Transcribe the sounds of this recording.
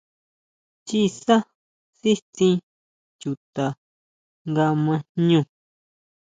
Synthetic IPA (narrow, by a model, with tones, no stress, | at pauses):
t͡ʃi˦˧sa˦ | si˦t̪ĩ˧ | t͡ʃu˨t̪a˨ | ŋɡa˧mã˧ɲũ˧